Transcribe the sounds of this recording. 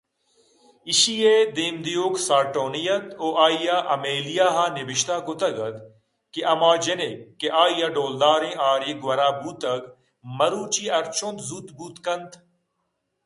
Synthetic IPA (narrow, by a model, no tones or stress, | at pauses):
ɪʃijeːd̪eːmd̪ijoːksaːɾʈoːnijɐt̪oːʔaːijaʔɐmeːlijaːɦaːnɪʋɪʃt̪aːkʊt̪ɐɡɐd̪ | keʔɐmaːd͡ʒenekːeʔaːijaɖoːld̪aːɾẽːʔaːɾeːɡʋɐɾaːbuːt̪ɐɡ | mɐɾuːt͡ʃiːɐɾt͡ʃʰõnt̪zuːt̪buːt̪kɐnt̪ʰ